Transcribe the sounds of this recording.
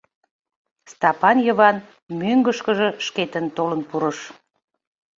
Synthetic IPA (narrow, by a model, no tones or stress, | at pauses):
st̪ɑpɑnjəβɑn | myŋɡəʃkəʒə̽ʃket̪ənt̪olənpuɾəʃ